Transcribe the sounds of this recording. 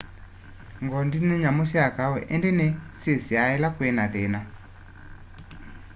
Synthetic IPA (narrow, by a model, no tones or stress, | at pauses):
ŋɡɔndinɛɲamosiakawɛ̰ʔɛndenesesiaɛlakwɛnaθena